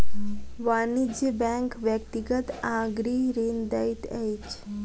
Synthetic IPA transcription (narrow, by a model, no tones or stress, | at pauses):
ʋanid͡ʒəbɛ̃ŋkʋjəkt̪iɡət̪ãɡɾiɾend̪ait̪ɛjt͡ʃ